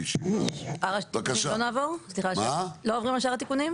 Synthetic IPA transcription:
ʃia̰aʁaakaʃalonaːvo̞ʁsliχaaloovʁimaʃaʁat̪ikunim

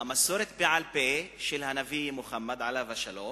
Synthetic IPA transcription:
amaso̞ɾet̪beʕalpeʃelhanavimuχamːad̪ʕalavaʃalo̞m

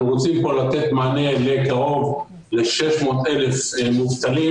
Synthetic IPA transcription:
ʁot͡simpo̞lat̪e̞t̪maːne̞lekaʁo̞v | le̞ʃe̞ʃmo̞ːt̪ele̞fmuvt̪ali

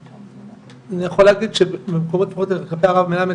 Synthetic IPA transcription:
anijaχoleːɡid̪ʃebbemekomot̪paχot̪ekapeaʁavmelame

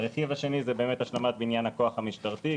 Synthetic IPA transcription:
ʁeχivaʃe̞nizebe̞ːmet̪haʃlamat̪̚beinjanhako̞aχhamiʃtaʁt̪i

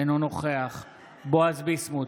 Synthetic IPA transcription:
enonoχeaχ | boazbismu

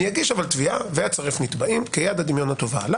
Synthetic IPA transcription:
jaɡiʃavalt̪viaveat͡saʁefnit̪baimkejad̪ad̪imjo̞nat̪o̞va̰la

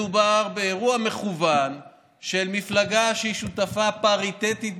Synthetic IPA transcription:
ubaʁbe̞ːʁuame̞χuvan | ʃelmiflaɡaʃeiʃut̪afapaʁit̪et̪it̪

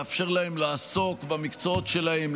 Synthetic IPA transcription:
afʃe̞ʁlahe̞mlaːso̞kbamikt͡soot̪ʃe̞lahem

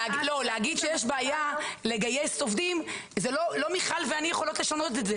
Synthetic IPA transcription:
lo̞lehaɡid̪ʃejeʃbaːjale̞ɡajesovd̪im | zelo̞lo̞miχalveanijeχo̞lotleʃano̞t̪eteze

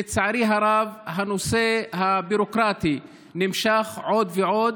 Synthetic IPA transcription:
et͡saʕaɾiɦaɾavɦano̞sehabiɾokʁat̪i | nimʃaχʕo̞d̪veʕo̞d̪

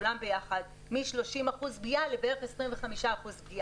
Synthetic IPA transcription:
lambe̞jaχad̪ | miʃlo̞ʃimaχuzbiʔalebeʁeχesʁimve̞χamiʃaːχuzbiʔa

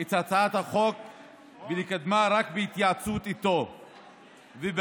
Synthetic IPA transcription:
etat͡saat̪haχok | belikad̪maɾakbeit̪jaat͡sut̪it̪o | veb

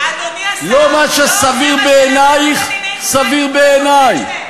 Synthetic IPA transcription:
lomaʃasaviʁbeenajiχ | saviʁbeːnaj

